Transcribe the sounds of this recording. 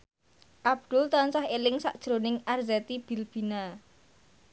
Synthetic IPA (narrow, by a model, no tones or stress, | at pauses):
ʔab̚d̪̥ʊ̤lt̪ansahelɪŋsa̰ʔd̥ʒ̥ɾonɪŋʔarzɛt̪ib̥i̤lb̥i̤na